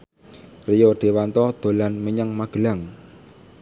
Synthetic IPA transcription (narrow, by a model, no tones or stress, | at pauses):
rijɔɖ̪̥e̤want̪ɔd̪̥o̤lanməɲəŋmaɡ̥ə̤laŋ